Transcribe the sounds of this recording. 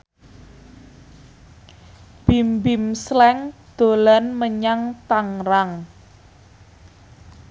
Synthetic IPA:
b̥imbimslɛŋd̪̥o̤lanməɲaŋt̪aŋraŋ

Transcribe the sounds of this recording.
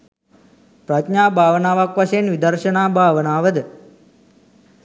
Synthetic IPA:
pɾat̪ɲaːbʱaːʋənaːʋakʋaʃəjenʋid̪ərʃənaːbʱaːʋənaːʋəd̪ə

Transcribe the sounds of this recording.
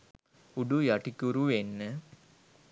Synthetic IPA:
uɖujɐʈikʲːuɾuʋenːə

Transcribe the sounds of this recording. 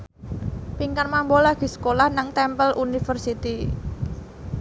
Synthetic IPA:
piŋkanmambolaɡ̥i̤sə̥kolahnaŋt̪ɛmpəlʔunifərsit̪i

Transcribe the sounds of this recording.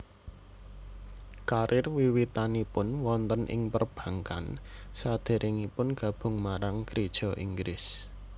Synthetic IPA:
kaɾʔɪrwiwit̪anipʊnwɔnt̪ənʔɪ̰ŋpərb̥ä̤ŋka̰nsad̪̥e̤ɾʔɪŋipʊnɡ̥ä̤b̥ʊ̤ŋmaɾaŋkɾid̥ʒ̥ɔ̤ʔiŋɡlɪs

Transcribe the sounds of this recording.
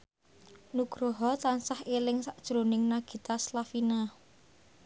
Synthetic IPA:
nuɡ̥ɾoɦɔt̪ansahelɪŋsaʔd̥ʒ̥ɾonɪŋnaɡ̥i̤t̪aslafina

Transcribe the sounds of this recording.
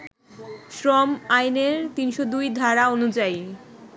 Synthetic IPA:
ʃɾɔmajneɾt̪inʃod̪ujd̪ʱaɾaonud͡ʑaj

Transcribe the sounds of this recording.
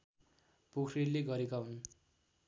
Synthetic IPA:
pokʰrileɡʌɾekaɦun

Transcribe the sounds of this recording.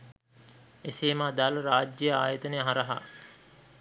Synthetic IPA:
eseːmaːd̪aːləɾaːd͡ʒjəjaːjət̪ənejəɦaɾɐɦa̰ː

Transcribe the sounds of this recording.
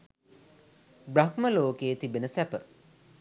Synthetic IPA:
brakməloːkeːt̪ibenəsæpə

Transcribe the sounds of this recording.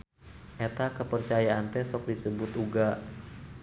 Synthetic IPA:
ʔɛt̪akəpərt͡ʃajaʔant̪ɛsɔk̚disəbʊt̪uɡa

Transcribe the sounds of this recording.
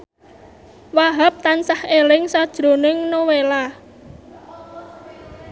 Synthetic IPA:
waɦap̚t̪ansahelɪŋsad̥ʒ̥ɾo̤nɪŋnowela

